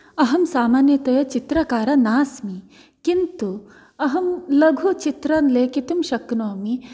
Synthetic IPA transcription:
ɐɦɐmsaːmaːnjɐt̪ɐjɐt͡ʃit̪ɾɐkaːɾɐnaːsmi | kint̪u | ɐɦɐmlɐɡʱut͡ʃit̪ɾɐnleːkit̪umʃɐknoːmi

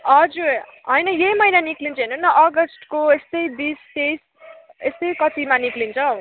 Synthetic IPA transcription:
ʌd͡zuɾ | ɦʌjnʌjejmʌjnaniklint͡sʰʌɦenunːʌʔʌɡʌsʈkoest̪ʌjbist̪es | est̪ʌjkʌt̪imaniklint͡sʰʌ

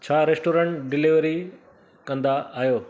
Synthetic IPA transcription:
t͡ɕʰaːɾesʈoːɾə̃ɳʈɖɪliʋɾi | kɐ̃nd̪aaːɦijoː

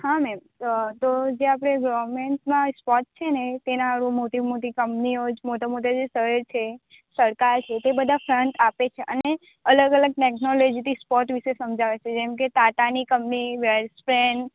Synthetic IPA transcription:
hãmɛm | t̪od͡ʒeap̬ɽ̃eɡɔʋɾmeɳsmãspɔʈ̚t͡ʃʰenet̪enãɾũmoʈ̪imot̪ikəmpniod͡ʒmot̪amot̪̬ad͡ʒesəɦəɾt͡ʃʰe | səɾkaɾt͡ʃʰet̪ebəd̪ʱafɾəɳʈapet͡ʃʰeʔəne | ələɡələɡ̚ʈeknɔlɔd͡ʒit̪ʰispɔʈʋiʃesəmd͡ʒaʋet͡ʃʰed͡ʒemk̬et̪at̪anikəmpniʋeɾspɾeɳɖ

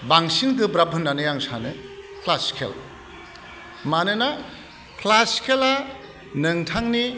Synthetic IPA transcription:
baŋsinkɯbɾabʱɯnːanɯjaŋsanɯkʰlaskʰḛl | manɯna | kʰlaskʰela | nɯŋtʰaŋni

